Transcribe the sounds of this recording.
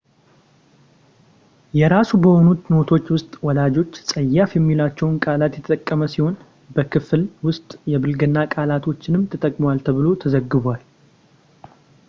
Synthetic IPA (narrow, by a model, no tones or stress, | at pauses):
jɛɾasubəho̞nut̪no̞t̪ʰo̞t͡ʃːwʊst̪ʼwɔlad͡ʒo̞t͡ʃːsʼəjːafjɛmːilat͡ʃːɛwʊnkʼalat̪jɛt̪ʰət̪ʼəkʼːəməsiho̞n | bəkʰɨflwʊst̪ʼjɛbɨlɡɨnːakʼalat̪ʰo̞t͡ʃːɪnɨmt̪ʰət̪ʼəkʼmwalt̪ʰəβɨlo̞t̪ʰəzəɡːɨβal